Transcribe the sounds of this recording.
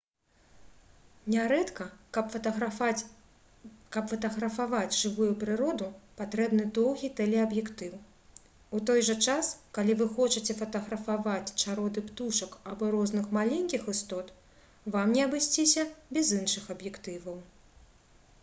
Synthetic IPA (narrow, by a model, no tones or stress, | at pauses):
nʲaɾɛt̪kɐɐpfɐɐ | kɐpfɐt̪ɐɣɾɐfavad͡zʲʐɨvujupɾɨɾɔd̪upat̪ɾɛbnɨd̪ɔwɣʲit̪ɛlʲɛɐbjɛkt̪ɨw | ut̪ɔjʐɐt͡ʂaskalʲivɨxɔt͡ʂɐt͡sʲɛfɐt̪ɐɣɾɐfavat͡sʲt͡ʂaɾɔd̪ɨpt̪uʂɐkabɔɾɔznɨxmalʲɛnʲkʲixɨst̪ɔt̪ | vamnʲɛɐbɨsʲt͡sʲisʲɐbʲɛzɨnʂɨxɐbjɛkt̪ɨvɐw